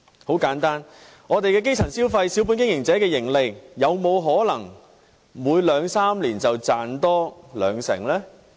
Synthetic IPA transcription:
ho˨˥wkaː˨˥nt̪aː˥n | ŋɔː˨˧t̪e˨jkɛː˧k̬e˥jt͡sʰɐ˨˩nsiː˥wfɐ˧jsiː˨˥wp̬uː˨˥nkɪ˥ŋjɪ˨˩ŋt͡sɛː˨˥kɛː˧jɪ˨˩ŋlɪ˨k̚jɐ˨˧wmo˨˧wɦɔː˨˥lɐ˨˩ŋ | muː˨˧jlœː˨˧ŋsaː˥mliː˨˩nt͡sɐ˨wt͡saː˨nt̪ɔː˥lœː˨˧ŋsɪ̰˨˩ŋlɛː˥

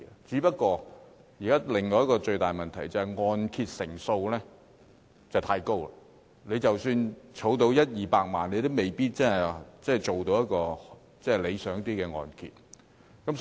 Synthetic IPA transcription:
t͡siː˨˥pɐ˥t̚kɔː˧jiː˨˩kaː˦˥lɪ˨˩ŋŋɔː˧jɐ˥t̚kɔː˧t͡ʃɵ˧ɥt̪aː˨jmɐ˨nt̪ʰɐ˨˩jt͡sɐ˨˧hɐ˨jŋɔː˧nkʰiː˧t̚sɪ̰˨˩ŋso˧wlɛː˥ | t͡sɐ˨˩wtʰaː˧jko˥wla̰˧˨ | ne˨˧jt͡sɐ˨wsyː˧nt͡ʃʰo˨˥wt̪̬o˧wjɐ˥t̚jiː˨˩paː˧k̚ma̰ː˨˩nle˨˧jt̪o˥wme˨˩jpiː˥t̚t͡sɐ˥nhɐ˨˩jt͡sɛː˥˨jt͡so˨˩wt̪o˨˧wjɐ˥t̚kɔː˧ | t͡sɛː˥˩˨le˨˧jsœː˨˥ŋt̪iː˥kɛː˧ŋɔ̰ː˨˧nkʰḭ˧t̚ | kɐ˨˥m

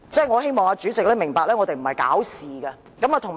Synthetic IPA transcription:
t͡sɛː˥˩jŋɔː˨˧he˥jmɔː˨˩ŋaː˧t͡ʃyː˨˥t͡sɪ˨k̚lɛː˥mɪ˨˩ŋpaː˧k̚lɛː˥ŋɔː˨˧t̪e˨jm̩˨˩hɐ˨jka̰ː˨˥wsiː˨˩ɡɐ˧ | kɐ˨˥maː˨˧t̪ʰʊ˨˩ŋ

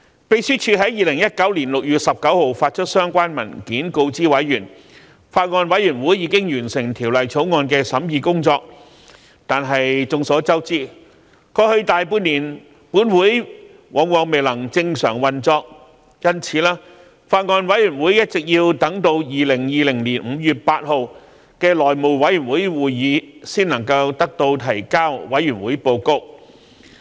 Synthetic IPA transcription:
pe˧jsyː˥t͡ʃʰyː˧ɦɐ˨˥jiː˨˩lɪ˨˩ŋjɐ˥t̚kɐ˨˥wliː˨˩nlʊ˨k̚jyː˨t̚sɐ˨p̚kɐ˨˥who˨wfaː˧t̚t͡ʃʰɵ˥t̚sœː˥ŋkʷaː˥nmɐ̰˨˩nkiː˨˥nko˧wt͡siː˥wɐ˨˥jːyː˨˩n | faː˧t̚ŋɔː˧nwɐ˨˥jyː˨˩nwuː˨˥jːiː˧kɪ˥ŋjyː˨˩nsɪ˨˩ŋt̪ʰiː˨˩wlɐ˨jt͡sʰo˨˥wŋɔː˧nkɛː˧sɐ˨˥mjiː˧kʊ˥ŋt͡sɔː˧k̚ | t̪aː˨nɦɐ˨jt͡sʊ˨˧ŋsɔː˨˥t͡sɐ˥wt͡siː˥ | kɔː˧hɵ˧ɥt̪aː˨jpuː˧niː˨˩n | puː˨˥nwuː˨˥j | wʔɔː˨˥ŋwɔː˨˧ŋme˨jlɐ˨˩ŋt͡sɪ˧ŋsœ̰ː˨˩ŋwɐ˨nt͡sɔː˧k̚ | jɐ˥nt͡sʰiː˨˧˥laː˥ | faː˧t̚ŋɔː˧nwɐ˨˥jyː˨˩nwuː˨˥jjɐ˥t̚t͡sɪ˨k̚jiː˧wt̪ɐ˨˥ŋt̪o˧wjiː˨˩lɪ˨˩ŋjiː˨˧lɪ˨˩ŋliː˨˩nm̩˨˧jyː˨˩t̚paː˧t̚ho˨w | kɛː˧lɔː˨˩jmo˨˩wwɐ˨˥jyː˨˩nwuː˨˥jwuː˨jːiː˨˧siː˥nɐ˨˩ŋkɐ˧wt̪ɐ˥k̚t̪o˧wt̪ʰɐ˨˩jkaː˥wwɐ˨˥jːyː˨˩nwuː˨˥jpo˧wkʊ˥k̚

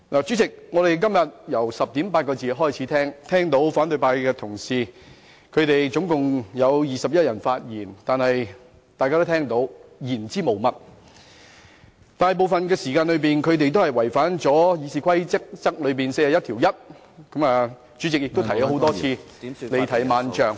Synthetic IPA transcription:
laː˨˩t͡syː˨˥t͡sɪ˨k̚ŋɔː˨˧ɾe˨jkɐ˥mjɐ˨t̚jɐ˨˩wsɐ˨p̚t̪i˨˥mpaː˧t̚kɔː˧t͡siː˨ɦɔː˥jt͡sʰiː˨˥t̪ʰɛː˥ŋt̪ʰɛː˥ŋt̪o˨˥wfaː˨˥nt̪ɵ˨˧jpaː˧jkɛː˧t̪ʰʊ˨˩ŋsiː˨ | kʰɵ˨˧t̪e˨jt͡sʊ˨˥ŋkʊ˨ŋjɐ˨˧wjiː˨˩sɐ˨p̚jɐ˥t̚jɐ˨˩nfaː˧t̚jiː˨˩nt̪aː˨nhɐ˨j | t̪a˨jkaː˥t̪o˥t̪ʰɛː˥ŋt̪o˨˧˥wjiː˨˩nt͡siː˥mo˨˩wmɐ˨t̚ | t̪aː˨n˨jp̬o˨wfɐ˨nkɛː˧siː˨˩kaː˧nlɵ˨˧ɥp̬iː˨nkʰɵ˨˧ɥt̪̬e˨jt̪o˥whɐ˨jwɐ˨˩jfaː˨˥nt͡sɔː˨˥jiː˨˧siː˨˧kʰɐ˥jt͡sɪ˥k̚t͡sɐ˥k̚lɵ˨˧ɥpiː˨nse˧jaː˨jɐ˥t̪̚ʰiː˨˩wjɐ˥t̚ | kɐ˨˥maː˨ | t͡ʃy˨˥t͡sɪ˨k̚jɪ˨kt̪o˥t̪ʰɐ˨˩ja˨˧ho˨˧wt̪ɔː˥t͡sʰiː˧ | le˨jt̪ʰɐ˨˩jmaː˨˧nt͡ʃœː˨ŋ

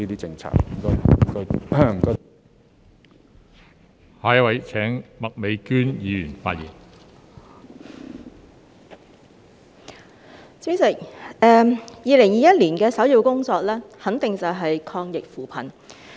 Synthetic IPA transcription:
iː˥t̪iː˥t͡sɪ˧ŋt͡sʰa̰ː˨˩k̚m˨˩kɔ˧˨˩kɔ˧˥m̩˨˩kɔː˧˥ | haː˨˧jɐ˥wɐ˨˧jt͡sʰɛː˨˥ŋmɐ˨k̚me˨˧jkyː˥njiː˨˧jyː˨˩nfaː˧t̚jiː˨˩n | t͡si˨˥sɐ˨˩ɛː˨˧jiː˨˧lɪ˨˩ŋjiː˨˧jɐ˥t̚liː˨˩nkɛː˧sɐ˨˥wjiː˧wkʊ˥ŋt͡sɔː˧k̚lɛː˥hɐ˨˥nt̪ɪ˨ŋt͡sɐ˨wɦɐ˨jkʰɔː˧ŋjɪ˨k̚fuː˨pʰɐ˨˩n

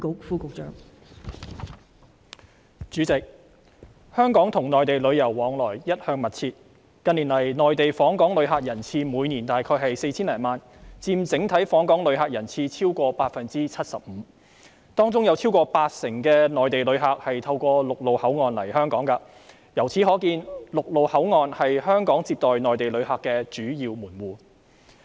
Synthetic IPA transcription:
k̚fuː˥kʊ˨˧k̚t͡ʃœː˨˥ŋ | t͡ʃyː˨˥t͡sɪ˨k̚ | hœː˥ŋkɔː˨˥ŋt̪ʰʊ˨˩ŋnɔː˨jt̪e˨jlɵ˨˧ɥjɐ˨˩wːɔː˨˥ŋlɔː˨˩jjɐ˥t̚hœː˧ŋmɐ˨t̚t͡sʰiː˧t̚ | kɐ˧nːiː˨˩nlɐ˨˩jnɔː˨jt̪e˨jfɔː˨˥ŋkɔː˨˥ŋlɵ˨˧ɥɦaː˨˧k̚jɐ˨˩nt͡sʰiː˧muː˨˧jniː˨˩nt̪aː˨jkʰɔː˧jɦɐ˨jse˧jt͡sʰiː˥nlɛː˨˩nmaː˨n | t͡siː˧mt͡sɪ˨˥ŋt̪ʰɐ˨˥jfɔː˨˥ŋkɔː˨˥ŋlɵ˨˥ɥɦaː˨˧k̚jɐ˨˩nt͡sʰiː˧t͡sʰiː˥wkʷɔː˧paː˧t̚fɐ˨nt͡siː˥t͡sʰɐ˥t̚sɐ˨p̚m̩ː˨˧˦ | t̪ɔː˥ŋt͡sʊ˥ŋjɐ˨˧wt͡sʰi˥wkɔː˧paː˧t̚sɪ˨˩ŋkɛː˧nɔː˨jt̪e˨jlɵ˨˧ɥɦaː˨˧k̚hɐ˨jt̪ʰɐ˧wkʷɔː˧lʊ˨k̚lo˨whɐ˨˥wŋɔː˨˧nlɐ˨˩jhœː˥ŋkɔː˨˥ŋkɐ˧ | jɐ˨˩wt͡sʰiː˨˥ɦɔː˨˥kiː˧nlʊ˨k̚lo˨whɐ˨˥wŋɔː˨nhɐ˨jhœː˥ŋkɔː˨˥ŋt͡siː˧p̚t̪ɔː˨jnɔː˨jt̪e˨jlɵ˨˧ɥhaː˨˧kːɛː˧t͡ʃyː˨˥jiː˧wmuː˨˩nwuː˨˩

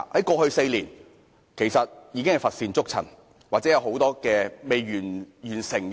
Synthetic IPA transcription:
hɐ˨˥jkɔː˧hɵ˧ɥse˧jliː˨˩n | kʰe˨˩jsɐ˨t̚jiː˨˧kɪ˥ŋhɐ˨jfɐ˨t̚siː˧nt͡sʊ˥k̚t͡sʰɐ̰˨˩n | waː˨k̚t͡sɛ˨˦˥jɐ˧wɦo˨˥wt̪ɔː˥kɛː˧me˨jɥyː˨˩njyː˨˩nsɪ˨˩ŋ

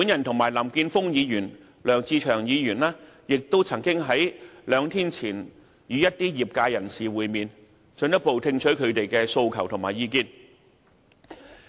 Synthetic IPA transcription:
pu˨˥njɐ˨˩nt̪ʰʊ˨˩ŋmaː˨˩jlɐ˨˩mkiː˧nfʊ˥ŋjiː˨˧jyː˨˩n | lœː˨˩ŋt͡siː˧t͡ʃʰœː˨˩ŋjiː˨˧jyː˨˩nlaː˥jɪ˨k̚t̪o˥wt͡sʰɐ˨˩ŋkɪ˥ŋɦɐ˨˥jlœː˨˧ŋt̪ʰiː˥nt͡sʰiː˨˩n | jyː˨˧jɐ˥t̚t̪iː˥jiː˨p̚kaː˧jɐ˨˩nsiː˨wuː˨jmiː˨n | t͡ʃɵ˧njɐ˥t̚po˨˧wt̪ʰɪ˧ŋt͡ʃʰɵ˨˥ɥkʰɵ˨˧ɥt̪e˨jkɛː˧so˧wkʰɐ˨˩wt̪ʰŋmaː˨˩jiː˧kiː˥˧n

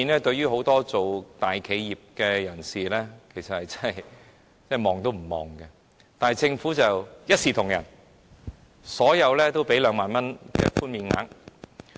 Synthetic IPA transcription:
i˧nlɛː˥t̪ɵ˧ɥyː˥ɦo˨˧˥wt̪ɔː˥t͡so˨wt̪aː˨jkʰe˨˧jːiː˨p̚kɛː˧jɐ˨˩nsiː˨˩lɛː˥kʰe˨˩jsɐ˨t̚hɐ˨˩jt͡sɐ˥ɐ˨j | t͡sɛː˥˩mɔː˨ŋt̪o˥wm̩˨˩mɔ̰ː˨ŋkɐ˧ | t̪aː˨n˨jt͡sɪ˧ŋfuː˨˥t͡sɐ˨˩wjɐ˥t̚siː˨t̪ʰʊ˨˩ŋjɐ̰˨˩n | sɔː˨˥jɐ˨˧wlɛː˥t̪o˥wpe˨˥jlœː˨˧ŋmaː˨nmɐ˥nkɛ̰ː˧fuː˥nmiː˧nŋa̰ː˨˥ŋ

